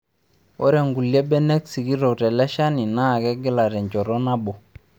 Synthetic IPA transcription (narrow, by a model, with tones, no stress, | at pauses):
ɔ˦ɾɛ˨ŋɡu˨lje˦bɛ˦nɛ˦ksi˨ɡi˦ɾɔ˨tɛ˨lɛ˦ʃa˦ni˨na˦˨ɡɛ˦ɡɪ˦la˨ɾɛ˨ɲt͡ʃɔ˨ɾɔ˦na˦bɔ˨